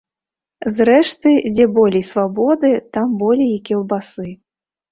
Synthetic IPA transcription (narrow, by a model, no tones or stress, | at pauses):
zɾɛʂt̪ɨd͡zʲɛbɔlʲɛjsvabɔd̪ɨt̪ambɔlʲɛjikʲɛlˠbasɨ